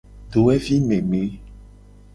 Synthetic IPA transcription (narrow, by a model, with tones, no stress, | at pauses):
ɖo˨wɛ˦vi˦mẽ˨mẽ˨˦